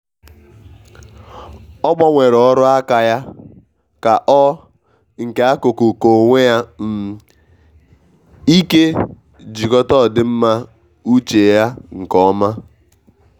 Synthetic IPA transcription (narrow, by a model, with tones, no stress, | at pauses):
ɔ˦ɡ͡bɔ˦ŋʷe˨ɾɔ˨˦ɾʊ˦a˦ka˨ja˦ | ka˨ʔɔ˦ | ŋ̩˨ke˨a˦ko˨ku˨ko˨ŋʷe˦ja˦m̩˨ | i˦ke˦ | d͡ʒi˨kɔ˦tɔ˦˨dɪ˦m̩˦ma˦ | u˦t͡ʃe˨ja˦ŋ̩˨kɔ˦ma˦